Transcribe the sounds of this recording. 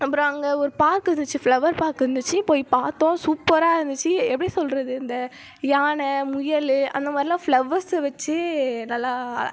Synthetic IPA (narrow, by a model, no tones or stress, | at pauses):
ɐpːɯɾõɐŋɡɐɔɾɯpaːɾkɯɾɯnd̪ɯt͡ʃːɯflɐʋɐɾpaːɾkɯɾɯnd̪ɯt͡ʃːɯpoːjpaːɾt̪õːsuːpːɐɾaːɪɾɯnd̪ɯt͡ʃːɯɛpːɐɽisɔlɾɐðɯɪnd̪ɐ | jaːɳɐmʊjɐlɯʔɐ̰nd̪ɐmaːd̪ɾɪlãːfɭɐʋɐɾsʋɐt͡ʃːɯnɐlːaː